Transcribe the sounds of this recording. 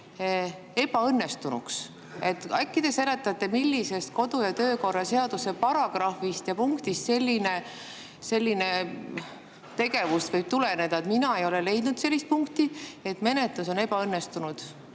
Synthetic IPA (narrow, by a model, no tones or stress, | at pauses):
e̞b̥ɑɤnːe̞st̪unṵks | e̞t̪ːˑɑkˑːid̪̥ese̞let̪ːˑɑt̪ːˑe̞milʲːise̞st̪̚ko̞d̪ujɑt̪ø̞ːko̞rːɑse̞ɑd̪̥use̞pɑɾɑɡ̥rɑfist̪jɑpuŋkt̪ist̪se̞lʲːine̞ | se̞lʲːine̞ | t̪e̞ɡ̥e̞vust̪vɤjb̥̚t̪ulene̞d̪ɑet̪minɑe̞jole̞le̞jd̪nud̪se̞lːist̪̚puŋkt̪ie̞t̪me̞ne̞t̪luso̞ne̞b̥ɑɤnːe̞st̪unud̪̥